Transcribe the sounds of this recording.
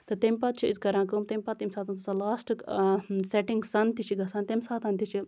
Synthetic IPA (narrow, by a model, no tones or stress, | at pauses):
t̪ɨt̪ɐmʲpɐt̪̚t͡ʃʰuizkɐɾãːkomt̪ɐmʲpɐt̪ːimsaːt̪ant̪ɐsalaːsʈ | seʈiŋɡsɐnt̪it͡ʃʰiɡɐsaːnt̪emsaːt̪ant̪it͡ʃʰi